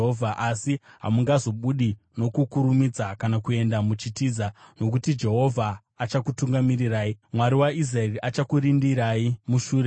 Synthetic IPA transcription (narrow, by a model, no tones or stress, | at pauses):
ɦovʱaʔasiɦa̰muŋɡazo̞ɓuɗi | no̞kukuɾumid͡zakanakue̞ndamut͡ʃitiːzano̞k̬utid͡ʒe̞ɦo̞vʱaː | t͡ʃakutuŋɡamiɾiraːimwaɾiwaiz̬raeriat͡ʃakuɾindiɾaimuʃuːɾe